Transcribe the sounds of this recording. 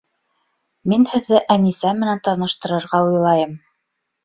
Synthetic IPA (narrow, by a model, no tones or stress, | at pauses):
minhɘ̆ðːɘʔænisæmɘ̆nænt̪ɑnɤ̆ʃt̪ɤ̆ɾɤ̆ɾʁɑujlˠɑjɤm